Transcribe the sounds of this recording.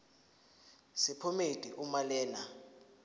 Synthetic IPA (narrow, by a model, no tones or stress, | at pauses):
sipʰɔmed̥ʱiʔumalɛːna